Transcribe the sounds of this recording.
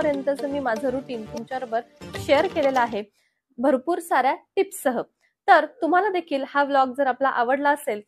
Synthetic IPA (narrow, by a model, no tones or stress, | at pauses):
əɾjənt̪əsəːmiːmad͡zʱəɾuʈiːmt̪umt͡ɕaɾbəɾɕejəɾkelelaaɦe | bʱəɾpuːɾsaɾjaʈipsəɦə | t̪əɾt̪um̤alad̪ekʰiːlhablɔɡ̚d͡zəɾaplaʔaʋəɽlaəsel